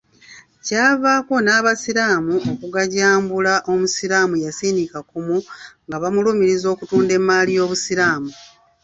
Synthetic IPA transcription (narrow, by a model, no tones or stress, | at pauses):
caːvaːko̞naːβasiɾaːmuokuɡaɟaːmbulaʔo̞musiɾaːmujasiːnikakumuŋɡaβamulumiɾizo̞ːkutuːnde̞mːaːlijo̞ːβusiɾaːmu